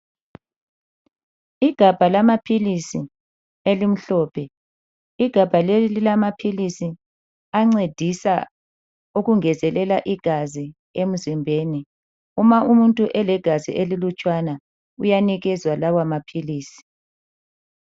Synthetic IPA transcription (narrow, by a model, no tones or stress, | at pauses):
iɡ̥ʱab̥ʱalamapʰilisi | elim̩ɬɔːpʰɛ | iɡ̥ʱab̥ʱalelililamapʰilisi | aŋ͡ǀed̥ʱisa̰ | uɣuŋɛzɛlɛlaʔiɡ̥ʱazi | em̩zimbʱeːni | umaʔumuntʼuʔɛlɛɡ̥ʱazḭʔelilut͡ʃʼwana | ujaniɣɛzwalawamapʰiliːsi̥